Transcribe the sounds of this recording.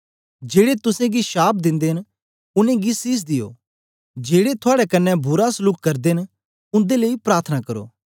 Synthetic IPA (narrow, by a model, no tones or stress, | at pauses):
d͡ʒeːɽet̪ʊsẽɡiʃaːp̚ʰd̪ɪ̃nd̪eɦn | ʊnẽɡisis̬d̪ɪjo̰ː | d͡ʒeːɽet̪ʰʊaːɽɛkɐnːɛbʊɾasʊlʊkkɐɾd̪eɦn | ʊ̃nd̪eleipɾaːɾt̪ʰənakɐɾo̰ː